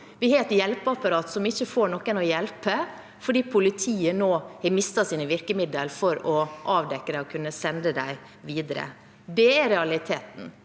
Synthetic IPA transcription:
ʋɪheːɛt̪jɛlpəɑpɑɾɑːt̪sɔmɪçːəfoːɳɔkːəɛnɔjɛlpə | fɔɖiːpʰʊlɪt̪ʰiːənoːhɛmɪst̪ɑsiːnəʋɪɾkəmɪd̪əlfɔɾɔʔɑːʋd̪ɛkːəd̪æɪɔkʰʉnːəsɛnd̪əd̪æɪ | ʋiːd̪əɾə̰ | d̪ɛɛɾɛɑlɪt̪ʰeːt̪n̩

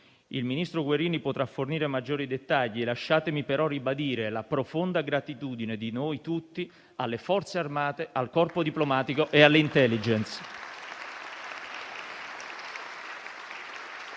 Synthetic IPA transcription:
ilminist̪ɾoɡweɾiːnipot̪ɾafːorniːɾemad͡ʒːoːɾid̪et̪ːaʎːielaʃːaːt̪emipeɾɔribad̪iːɾelapɾofond̪aɡɾat̪it̪uːd̪ined̪inojt̪ut̪ːi | alːefɔrt̪searmaːt̪eʔalkɔrpod̪iplomaːt̪ikoʔealːeint̪ɛlːid͡ʒɛnt̪s

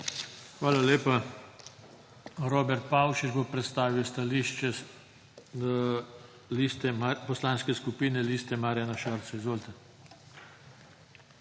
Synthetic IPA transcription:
xʋaːlaleːpa | ɾoːbɛɾt̪̚pawʃid͡ʒbopɾɛt̪st̪aːʋiwst̪aliːʃt͡ʃɛ | list̪ɛmpɔslaːnskɛskupiːnɛliːst̪ɛmaːɾjanaʃaɾt̪sɔizʋoːlt̪ɛ

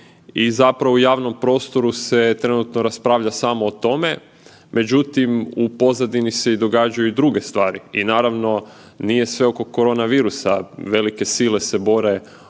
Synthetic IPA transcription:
izapɾaʋoujaːʋno̞mpɾo̞ːst̪o̞ɾuse̞t̪ɾe̞nut̪noɾaspɾaːʋʎasaːmoːt̪o̞me̞ | mʔe̞d͡ʑut̪imupo̞zad̪inise̞id̪o̞ɡad͡ʒajuid̪ɾuɡe̞st̪ʋaːɾiinaːɾaʋno̞ | nije̞sʋe̞o̞ko̞ko̞ɾo̞ːnaʋiːɾusaʋe̞like̞siːle̞se̞bo̞ɾe̞

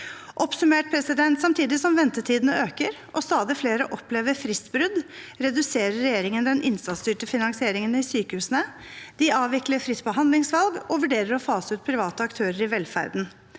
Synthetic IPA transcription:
ʔɔpsʉmeːʈ̚pʰɾɛsɪd̪ɛnt̪sɑmt̪ʰiːd̪ɪsɔmʋɛnt̪ət̪ʰiːd̪ənəøːkəɾ | ʔɔst̪ɑːd̪ɪfleːɾəʔɔpleːʋəɾfɾɪst̪bɾʉd̪ | ɾɛd̪ʉseːɾəɾːɛjeːɾɪŋənd̪ɛnʔɪnst̪ɑt̪st̪yːʈəfɪnɑŋsɪeːɾɪŋənɪsyːkəhʉːsənə | d̪ɪɑːʋɪkləɾfɾɪt̪̚bəɦɑnd̪lɪŋsʋɑlɡɔʋʉɖeːɾəɾɔfɑːsʉːt̪̚pʰɾɪʋɑːt̪əɑkt̪ʰøːɾəɾɪʋɛlfæ̰ɾd̪n̩

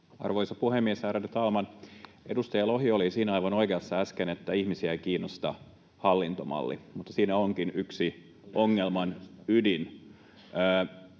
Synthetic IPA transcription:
ɑ̰rʋojsɑpuhemːiesæːɾædet̪ɑlmɑn | edust̪ɑjɑloɦiolisiːnæɑjʋɑnoikeɑsːɑæskenet̪ːæihmisiækiːnːost̪ɑ | hɑlːint̪omɑ̰lːḭmut̪ːɑsiːnæoŋkinyksi | oŋːelmɑnydinː

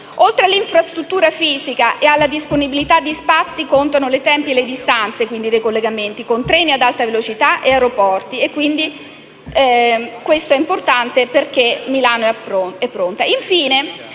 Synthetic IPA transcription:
olt̪ɾealːiɱfɾast̪ɾut̪ːuːɾafiːzikaʔealːad̪isponibilit̪ad̪ːispat̪sːikont̪anolet̪ɛmpielːed̪ist̪ant̪sekwind̪id̪ejkolːeɡament̪ikont̪ɾɛːniad̪alt̪avelot͡ʃit̪aʔeaɾopɔrt̪iekːwind̪i | kwest̪oɛimport̪ant̪eperk̟emilaːnoɛpoɛpːɾont̪aiɱfiːne

